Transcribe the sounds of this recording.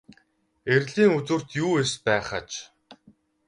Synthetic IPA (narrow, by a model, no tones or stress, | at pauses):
erɮiːŋut͡sŭr̥t̪juːespæːχət͡ɕ